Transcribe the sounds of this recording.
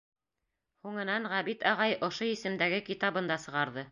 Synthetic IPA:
huŋɤ̆nɑɴʁæβit̪ɑʁɑjŏʃoisɘ̆md̪æɡɘkit̪ɑβɤ̆nd̪ɑsɤ̆ʁɑɾðɤ

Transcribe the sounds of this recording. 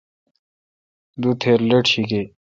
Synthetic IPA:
d̪ut̪ʰeɾleʈʰike

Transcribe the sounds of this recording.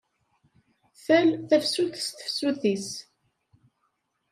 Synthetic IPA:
θælθæfsuθəst̪ə̥fsuθis

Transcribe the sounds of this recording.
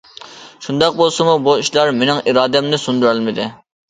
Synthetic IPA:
ʃund̪ɑq̚bolˠsɨmubuiʃlˠɑɾmenɪŋiɾɑːd̪ɛmnɪsund̪yɾælmɪd̪ɪ

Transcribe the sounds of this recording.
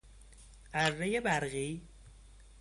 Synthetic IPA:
ʔæɾːejebæɾɣiː

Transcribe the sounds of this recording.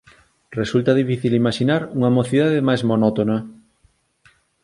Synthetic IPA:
result̪aðifiθilimaʃinaɾuŋamoθiðaðemajzmonɔt̪ona

